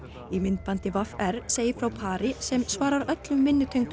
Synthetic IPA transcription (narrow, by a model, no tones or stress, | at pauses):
imɪnt̪̚pant̪ɪvafɛɾseːjɪfɾawpʰaːɾɪsɛmsvaːɾaɾœt̪lʏmːɪnːʏt̪ʰœjŋt̪